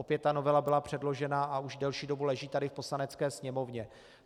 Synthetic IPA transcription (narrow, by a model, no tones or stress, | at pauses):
opjɛt̪̚t̪ːano̞vɛlabɪlapr̝̥ɛdlo̞ʒɛnaauʒdɛlʃiːdo̞bulɛʒiːt̪adɪfpo̞slanɛt͡skɛːsɲɛmo̞vɲɛ